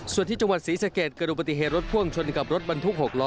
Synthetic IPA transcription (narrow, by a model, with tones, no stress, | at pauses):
su˨˩ənt̪ʰiː˥˩a˧ŋwa˨˩t̪̚siː˩˦sa˧keː˨˩t̪̚kɤː˧nʔu˨˩pa˧t̪̬i˨˩ɦeː˨˩t̪̚ɾo˦˥t̪̚pʰu˥˩əŋt͡ɕʰo˧nka˨˩p̚ɾo˦˥t̪̚ba˧nt̪ʰu˦˥k̚ho˨˩k̚lɔː˦˥